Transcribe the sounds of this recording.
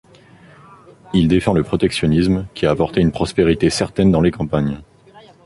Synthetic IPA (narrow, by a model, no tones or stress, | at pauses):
ild̪efɑ̃ləpχɔt̪ɛksjɔnismkʲiaːpɔʁt̪eynpχɔspeʁit̪esɛʁt̪ɛnd̪ɑ̃lekɑ̃paɲ